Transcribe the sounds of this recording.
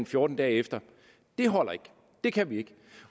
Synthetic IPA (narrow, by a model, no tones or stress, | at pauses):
nfjoːd̥n̩d̥ɛ̰ːefd̥ɐ | d̥e̝ɦɒ̽l̰ɐe̝ɡ̥ | d̥e̝kʰæʋie̝ɡ̥